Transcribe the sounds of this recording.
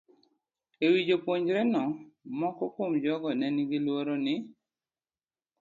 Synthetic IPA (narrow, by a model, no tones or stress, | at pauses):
ewid͡ʒopwoɲd͡ʒɾɛnɔmɔkɔkomd͡ʒɔɡɔnɛnɪɡɪlwoɾonɪ